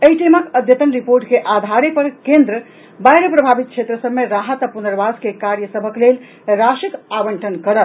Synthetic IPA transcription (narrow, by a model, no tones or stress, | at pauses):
eiʈiməkəd̪jət̪ənɾipoɾʈkeʔad̪ʱaɾepəɾkẽnd̪ɾə | bajɾəpɾəbʱabit̪̚t͡ʃʰet̪ɾəsəbmeɾaɦət̪apunəɾbaskekaɾjəsəbʱəklel | ɾasikabəɳʈʰənkəɾəl